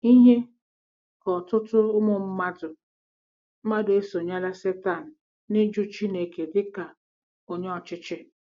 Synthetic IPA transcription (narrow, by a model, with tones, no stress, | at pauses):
i˦ɦe˦ | kɔ˨tʊ˦tʊ˦ʊ˦mʊ˦m̩˦ma˦dʊ˨ | m̩˦ma˦dʊ˨e˦so˨ɲa˦la˦se˦ta˦˨n̩˨ | nɪ˦d͡ʒu˦t͡ʃi˦ne˨ke˨dɪ˦ka˨ | o˨ɲe˦ɔ˨t͡ʃɪ˦t͡ʃɪ˦